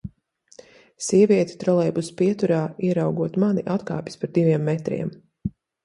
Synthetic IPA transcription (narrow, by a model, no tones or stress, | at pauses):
siɛvʲiɛt̪i̥t̪ɾɔlˠɛjbuspiɛt̪uɾaːiɛɾawɡuɔt̪maniʔat̪ka̰ːpʲi̥spaɾd̪ivʲiɛmːɛt̪ɾḭɛm